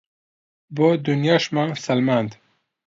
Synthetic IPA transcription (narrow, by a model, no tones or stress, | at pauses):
bod̪unjɑʃmansalmand̪